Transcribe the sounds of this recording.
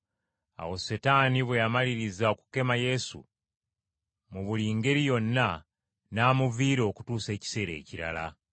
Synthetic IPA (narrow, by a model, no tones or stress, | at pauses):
a̰wo̞setaːniβwejamaliɾizao̞ku̥ke̞maje̞sṵ | muβuliːŋɡe̞ɾijo̞nːa | naːmuviːɾo̞ku̥tuːse̞ːci̥se̞ːɾe̞̰ːciɾa̰la̰